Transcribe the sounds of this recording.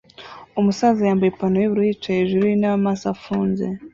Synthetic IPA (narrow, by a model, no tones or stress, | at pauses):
umusazajaːmbajepanojiβuɾuit͡ʃajeʒuɾiinaβamasafuːnzḛ